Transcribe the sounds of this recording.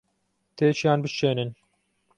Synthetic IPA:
t̪ʰeːt͡ʃijaːnbɨt͡ʃeːnɨn

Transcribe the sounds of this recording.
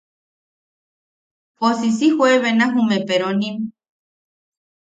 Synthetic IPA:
posisihweβenãɦumepeɾonĩm

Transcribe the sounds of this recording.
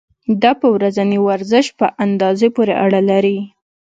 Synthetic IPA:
d̪ɑpəwɾazaniwaɾzəʃpəʔand̪ɑzepoɾḛʔaɽalaɾi

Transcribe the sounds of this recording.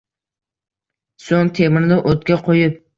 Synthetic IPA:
soŋt̪ʰemɪɾd̪ʊʔot̪kʲaqʰojɪp̚

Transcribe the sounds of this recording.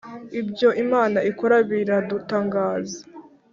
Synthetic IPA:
ibjo̞ʔimaːnaikoɾaβiɾadutaːŋɡaːzḁ

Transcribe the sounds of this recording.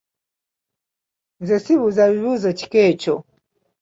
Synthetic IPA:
nzɛsiβuzaβiβuzɔt͡ʃi̥kɛːt͡ʃɔ

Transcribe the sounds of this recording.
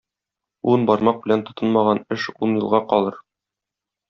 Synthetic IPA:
unbɒɾmɑq̚bɘ̆lænt̪ŏt̪ɤnmɑʁɑnɘʃunjɤ̆lˠʁɑqɒlˠɤɾ

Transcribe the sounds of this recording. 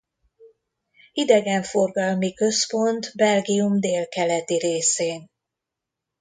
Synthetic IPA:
id̪ɛɡɛɱfo̞rɡɒlmikø̞spo̞nt̪bɛlɡijumd̪eːlkɛlɛt̪iɾeːseːn

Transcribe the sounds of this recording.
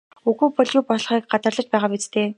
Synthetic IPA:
uɣuːpɔɮjuːpɔɮ̆χiːk̚ɢat̪ə̆rɮə̆t͡ɕpæːʁaːpit͡st̪ʰeː

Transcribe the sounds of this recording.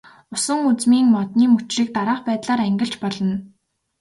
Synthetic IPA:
ʊsə̆ŋut͡smiːŋmɔt̪niːmut͡ɕʃiːk̚t̪aɾaːχpæːt̪ɮaːɾæŋɡʲɪ̆ɬt͡ɕpɔɮɞ̆n

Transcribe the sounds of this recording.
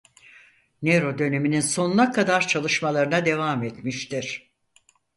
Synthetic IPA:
neɾo̞d̪ø̞ne̞mininso̞nnˠakʰad̪aɾt͡ʃʰalˠɯʃmalˠaɾɯnad̪e̞vamet̪miʃt̪iɾ̥

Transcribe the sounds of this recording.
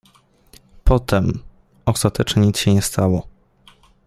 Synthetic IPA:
pʰɔt̪ɛm | ɔst̪at̪ɛt͡ʂɲeɲit̪sɕɛɲɛst̪ʰawɔ

